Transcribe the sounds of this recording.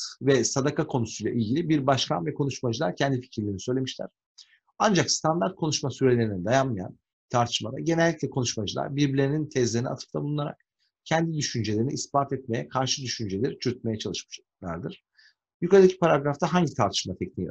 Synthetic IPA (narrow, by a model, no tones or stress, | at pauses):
vɛsad̪akakʰo̞nusujlˠa̰ʔilʲɟilʲibiɾbaʃkʰa̰nvɛkʰo̞nuʃmad͡ʒɯlˠaɾcʰɛnd̪ifi̥cʰɾlʲeɾinisø̞jlʲe̞miʃlʲæ̰ɾ̥ | and͡ʒakst̪ʰand̪aɾt̪̚kʰo̞nuʃmasyɾe̞lʲe̞ɾinid̪ajamːaja̰n | t̪ʰaɾt̪ʰɯ̥ʃmad̪a̰ɟe̞nɛlʲːicʲlʲɛkʰo̞nuʃmad͡ʒɯlˠa̰ɾbiɾbilʲenint̪ʰɛzlʲeɾinia̰t̪ʰɯ̥ft̪ʰabulˠunaɾa̰k̚ | cʰɛnd̪id̪yʃynd͡ʒelʲeɾiniːsbaːt̪ɛt̪̚me̞jɛkʰaɾʃɯd̪yʃynd͡ʒelʲɛɾt͡ʃʰyɾt̪̚me̞jɛt͡ʃʰalˠɯʃmɯ̥d͡ʒa | lˠa̰ɾd̪ɯɾ̥ | jykaɾd̪acʰi̥paɾaɡɾaft̪ʰaɦaɲɟit̪ʰaɾt̪ʰɯ̥ʃmat̪ʰɛcnij